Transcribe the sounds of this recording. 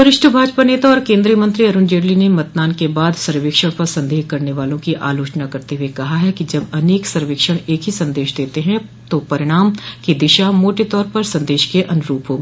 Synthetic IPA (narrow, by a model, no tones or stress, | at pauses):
t̪ʊɾɪʃʈʰəbʱaːd͡ʒpaneːt̪aɔːɾkẽːnd̪ɾijəmɐ̃nt̪ɾiɐɾʊnd͡ʒeːɾlinemɐt̪̚naːnkebaːd̪sɐɾʋeːkʃəɽ̃pɐɾsɐ̃nd̪ʱeːɦkɐɾneʋaːlõkiʔaːloːt͡ʃnakɐɾt̪eɦuekɐɦaɦɛkid͡ʒɐbɐneːksɐɾʋɪːkʃəɽ̃eːkɦisɐ̃nd̪eːʃd̪eːt̪eɦɛ̃ | t̪opɐɾɪɽ̃aːmkid̪ɪʃamoːʈet̪ɔːɾpɐɾsɐ̃nd̪eːʃkeʔɐnʊɾuːpɦoːɡeː